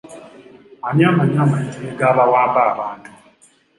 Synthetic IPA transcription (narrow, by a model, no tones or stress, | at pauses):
amjamaɲjamaitʰʼiiɡaβawaːmbaːβaːntʼu̥